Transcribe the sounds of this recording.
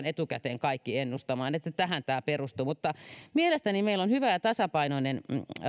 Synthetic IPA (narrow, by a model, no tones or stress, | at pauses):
net̪ukæt̪eːŋkɑikːienːust̪ɑmɑːnet̪ːæt̪æhænt̪æːperust̪umut̪ːɑmielest̪ænimeilːonhyʋæjɑt̪ɑsɑpɑinoinen